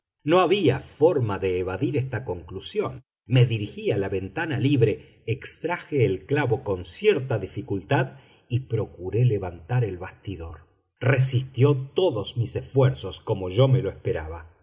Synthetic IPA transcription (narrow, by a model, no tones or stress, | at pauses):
no̞aβiafo̞ɾmaðeːβaðiɾest̪ako̞ŋklusjo̞n | me̞ðiɾixialaβe̞nt̪analiβɾe̞ | ekst̪ɾaxeːlklaβo̞ko̞nsjeɾt̪aðifikult̪að | ipɾo̞kuɾe̞leβant̪aɾelβast̪iðo̞ɾ | resist̪jo̞t̪oðosmisesfweɾso̞sko̞mo̞ʒo̞meloespeɾaβa